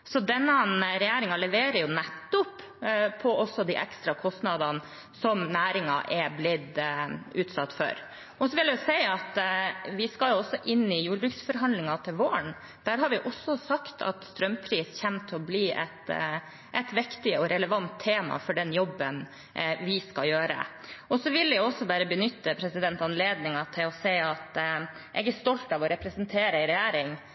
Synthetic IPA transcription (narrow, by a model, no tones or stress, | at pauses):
sɔd̪ɛnːənɾɛjæːɾɪŋɑlɛʋeːɾəɾjʊnɛt̪ːʊp | pʰːɔʔɔsːɔd̪ḭʔɛkst̪ɾɑkʰɔst̪nɑd̪ɑn | sɔmnæːɾɪŋɑ̰ʔɛblɪd̪ʉːt̪sɑt̪ːfœ̰ɾ | ʔɔsɔʋɪljæjʊsæɪɑt̪ʋɪskɑljʊɔsːɔʔɪnːɪjuːɾbɾʉksfɔɾɦɑnd̪lɪŋɑt̪ʰɪlʋoːəɳ | d̪̥æɾɦɑɾʋɪʔɔsːɔsɑkt̪ʰɑ̰t̪st̪ɾœmpʰɾiːsçæmt̪ʰɪɔbliːʔɛ̰t̪ | ʔɛt̪ʋɪkt̪ɪɔɾɛləʋɑnt̪ʰːeːmɑ̰fɔɖɛnjɔbːən | ʋɪskɑljøːɾə̰ʔɔsɔʋɪlːɛjʊɔsːɔbæːɾəbənʏt̪ːəpʰɾɛsɪd̪ɛnt̪ɑnleːd̪nɪŋɑt̪ʰɪlɔsæɪɑt̪ʔɛɡæʂt̪ɔlt̪ɑʋɔɾɛpɾəsənt̪ʰeːɾəɪɾɛjæːɾɪŋ